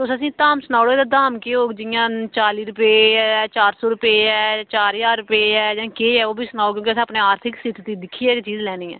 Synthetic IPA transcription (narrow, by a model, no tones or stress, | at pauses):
t̪ʊsəsĩːt̪aːmsənaːɽoːeːd̪aːd̪aːmkeːoːd͡ʒɪjãːt͡ʃaːliːɾʊpeɛt͡ʃaːɾsoːɾʊpeːɛːt͡ʃaːɾjaːʊpeːɛːd͡ʒãːkeːɛːoːbʱiːsənaːoːk̬jõːkiəsĩəpneːaːɾt̪ʰɪksɪt̪ʰt̪iːd̪ɪkʰːiːɛːkt͡ʃiːzlɛːniːɛ̰ː